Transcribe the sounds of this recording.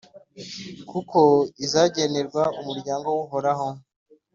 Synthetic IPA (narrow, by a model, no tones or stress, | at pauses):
kʰuko̞izaːɟeneɾɡwaumuɾɟaːŋɡowuɦoɾaɦo